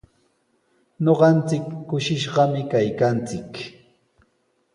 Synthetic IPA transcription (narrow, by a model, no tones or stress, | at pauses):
ɲoɢɑnt͡sɪkːʊʃɪʃɢɑmɪkajkant͡sɪk